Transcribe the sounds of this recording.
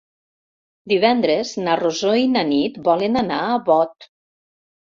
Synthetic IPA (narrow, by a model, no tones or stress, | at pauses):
d̪iβɛnd̪ɾeznarozoinanit̪bɔlenanaəβɔt̪